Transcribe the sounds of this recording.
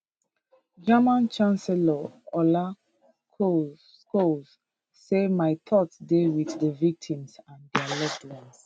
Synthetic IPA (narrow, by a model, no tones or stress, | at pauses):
d͡ʒamãnt͡ʃãnsɛlaɔla | kʰo | kosː | emaɪtʰɔtsdewiθdəvik̚tʰĩmsãndɛalɛtlɛ̃ns